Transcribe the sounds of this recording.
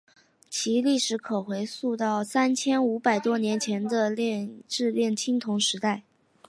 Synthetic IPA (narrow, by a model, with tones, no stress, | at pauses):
t͡ɕʰi˧˥li˥˩ʂɻ̩˧˥kʰɤ˨˩xwe˧˥ɪsu˥˧t̪ɑ˥˩ʊsa˥nt͡ɕʰjɛ˥nu˧˥pa˨˩ɪt̪wɔ˥njɛ˧˥nt͡ɕʰjɛ˧˥nd̪ə˧ljɛ˥˧nʈ͡ʂɻ̩˥˧ljɛ˥˩nt͡ɕʰi˥ŋt̪ʰʊ˧˥ŋʂɻ̩˧˥t̪a˥˩ɪ